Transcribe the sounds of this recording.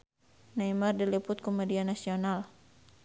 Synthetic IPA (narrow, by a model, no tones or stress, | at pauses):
naimardilipʊt̪̚komedianasional